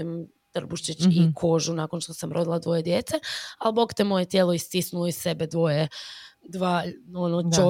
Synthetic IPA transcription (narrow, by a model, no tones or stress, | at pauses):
im | t̪r̩buʃt͡ʃit͡ɕikʰo̞ʒunaːkonʃt̪osamɾo̞d̪ilˠad̪ʋo̞je̞d̪je̞ːt̪sealbokt̪emo̞jet̪jeːloist̪isnuloissebed̪ʋo̞jed̪ʋaːonoo